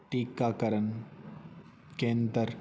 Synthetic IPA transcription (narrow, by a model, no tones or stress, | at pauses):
ʈiːkːaːkɐɾɐn | keːnd̪ɐɾ